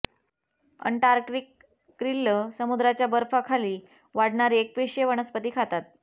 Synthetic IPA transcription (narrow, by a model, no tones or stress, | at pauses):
ə̰ɳʈaɾkɾikː | ɾilːəsəmud̪ɾat͡ɕjabəɾfakʰaliː | ʋaɽɳaɾiek̚peʂjəʋəɳ̃əspət̪iːkʰat̪at̪̚